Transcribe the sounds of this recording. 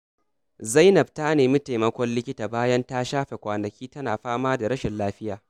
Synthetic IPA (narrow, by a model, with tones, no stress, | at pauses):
za˦jnɐ˨b̚ta˦neː˨miː˦ta˨jmɐ˦kʷɔ˦nlɪ˦kʲɪ˦taː˨baː˦jɐ˦nta˦ʃaː˦ɸe˨kʷaː˨nɐ˨kʲiː˦tɐ˦naː˨ɸaː˦maː˦da˨ɽɐ˦ʃɪ˨nlaː˦ɸɪ˦jaː˨